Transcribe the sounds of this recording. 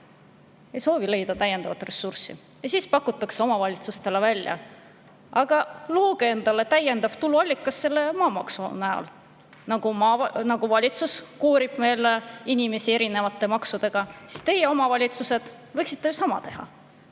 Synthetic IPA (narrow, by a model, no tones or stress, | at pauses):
ejso̞ːvile̞jd̪̥ɑt̪æjːend̪̥ɑvɑt̪re̞sursḭ | jɑsiːspɑkːˑut̪ːˑɑkseo̞mɑvɑlʲit̪sust̪e̞levælʲːjɑ̰ | ʔɑɡ̥ɑloːɡee̞nd̪̥ɑle̞t̪æje̞nd̪ɑvt̪uluɑlʲːikːˑɑsːe̞lːe̞mɑːmɑksunæɑ̰l | nɑɡ̥umɑnɑɡ̥uvɑlʲit̪suskuːɾib̥̚me̞ːleinime̞sie̞ɾine̞vɑt̪ːˑe̞mɑksud̪̥e̞ɡ̥ɑsi̥st̪e̞je̞o̞mɑvɑlʲit̪suse̞d̪̥ | vɤjksi̥t̪ːejusɑmɑ̰t̪e̞ɦɑ̰